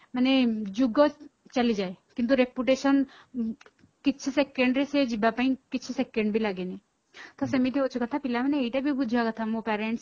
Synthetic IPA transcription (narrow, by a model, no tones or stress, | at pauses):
məned͡ʒuɡɔt͡ʃɐlid͡ʒaːekint̪̬uɾepjuʈeːʃən | kɪt͡ʃʰsekẽɳɖɾesed͡ʒibapaĩkɪt͡ʃʰisekẽɳɖbʱilaɡeni | t̪ɔsɐmit̪eot͡ʃʰukɐt̪ʰapilamɐneeiʈabʱibud͡ʒʱakɐt̪ʰamõpɛːɾẽɳʈs